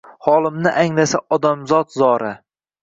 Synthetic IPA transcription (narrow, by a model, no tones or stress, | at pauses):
hɒlˠɪmnɪʔaŋlasaʔɒd̪amzɒt̪zɒɾa